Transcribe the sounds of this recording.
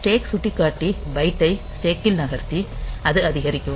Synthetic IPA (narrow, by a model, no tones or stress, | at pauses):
ʈeːksʊʈːikːaːʈːibɐɪʈːɐɪseːkːɪlnɐɣɐɾt̪ːiɐðɯɐðɪɣɐɾɪkʲːɯ̃